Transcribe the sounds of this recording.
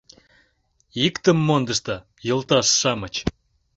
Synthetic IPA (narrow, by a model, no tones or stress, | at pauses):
ikt̪əmːond̪ə̆ʃt̪ɑ | jə̆lˠt̪ɑʃːɑmət͡ɕ